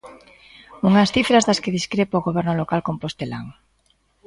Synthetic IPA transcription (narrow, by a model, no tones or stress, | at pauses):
uŋasθifɾazðaskeðiskɾepaoɣoβɛɾnolokalkompost̪ela̰ŋ